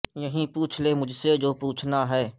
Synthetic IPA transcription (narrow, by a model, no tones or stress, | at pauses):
jəɦĩpuːt͡ʃʰlemʊd͡ʒʱsed͡ʒoːpuːt͡ʃʰnaɦɛː